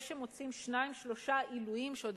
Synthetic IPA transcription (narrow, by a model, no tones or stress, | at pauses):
ʃemot͡simʃnaimʃlo̞ʃailujimʃod̪